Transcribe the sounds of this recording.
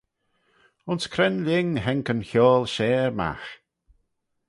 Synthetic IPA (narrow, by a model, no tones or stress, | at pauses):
ʊnskʰɾɛnlɪŋɦɛŋkənçɔːlˠʃɛːɹma̰x